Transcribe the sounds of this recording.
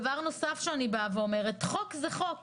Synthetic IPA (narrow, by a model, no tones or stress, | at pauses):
vaʁno̞safʃeanibaveo̞meʁe̞tχo̞kzeχo̞k